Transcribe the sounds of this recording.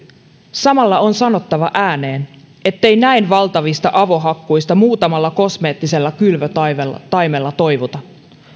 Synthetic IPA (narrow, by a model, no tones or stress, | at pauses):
sɑmɑlːɑonsɑno̞t̪ːɑʋɑʔæːne̞ːn | e̞t̪ːe̞jnæinʋɑlt̪ɑʋist̪ɑʔɑʋo̞ɦɑkːujst̪ɑmuːt̪ɑmɑlːɑko̞sme̞ːt̪ːise̞lːɑkylʋøt̪ɑelːt̪ɑjme̞lːɑt̪o̞jʋut̪ɑ